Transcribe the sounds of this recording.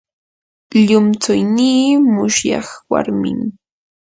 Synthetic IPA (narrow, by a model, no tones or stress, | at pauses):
ʎʊmt͡sʊjniːmʊʃjɑ̰χwa̰ɾmɪ̰ŋ